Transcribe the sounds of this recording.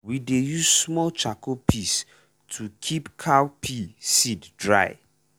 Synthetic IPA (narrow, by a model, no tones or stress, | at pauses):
widejuzsmɔlt͡ʃakopʰis | tʰukʰipkʰawpʰisiddɹa̰ɪ